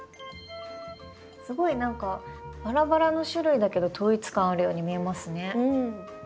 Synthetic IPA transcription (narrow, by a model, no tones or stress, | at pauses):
sɨɡo̞inãŋkabaɾabaɾano̞ɕɨɾɯ̟id̪ake̞d̪o̞t̪ʰo̞ːit͡sɨ̥kãɰ̃aɾɯ̟jo̞ːɲ̟imʲie̞masɨne̞